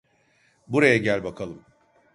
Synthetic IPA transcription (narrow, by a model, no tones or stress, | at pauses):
buɾajaɟælʲbakʰalˠɯm